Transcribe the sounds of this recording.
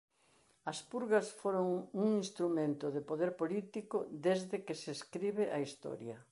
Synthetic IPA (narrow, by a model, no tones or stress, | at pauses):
ɐspuɾɣɐsfoɾoŋuŋinst̪ɾumẽnt̪ʊðɪpoðeɾpolit̪ikʊd̪ezðɪkɪseskɾiβɪʔɐist̪ɔ̰ɾjɐ